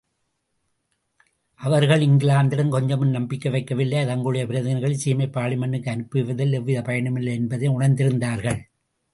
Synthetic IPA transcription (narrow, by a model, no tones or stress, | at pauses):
ʔɐʋɐɾɣɐɭɪŋɡɪɭaːnd̪ɪɽɐmkɔɲd͡ʒɐmɯnnɐmbɪkːɐʋɐɪkːɐʋɪlːɐɪɐðɐŋɡɐɭɯɽɐjɐpɪɾɐðɪnɐɾɣɐɭɪsiːmɐɪpːaːɭimɐɳːɯkːɯɐnɯpːɯʋɐðɪlːɛʋːɪðɐpɐjɐɳɯmɪlːɐɪɛnbɐðɐɪʊɳɐɾnd̪ɪɾɯnd̪aːɾɣɐɭ